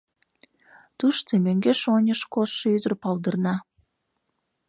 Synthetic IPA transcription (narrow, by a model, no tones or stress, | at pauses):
t̪uʃt̪emøŋɡeʃonʲəʃkoyd̪ərpɑld̪ərnɑ